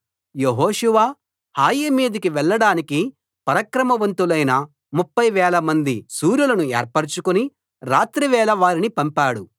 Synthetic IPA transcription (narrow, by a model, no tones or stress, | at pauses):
jeɦoːʃuʋaː | haːjimiːd̪ikiʋɛɭːɐɽaːniki | pɐɾɐkɾɐmɐʋɐnt̪ulɐjnɐ | mupːɐjʋɛːlɐmɐnd̪isuːɾjulɐnuḛːɾpɐɾt͡ʃukuni | ɾaːt̪ɾiʋɛːlɐʋaːɾinipɐmpaːɽu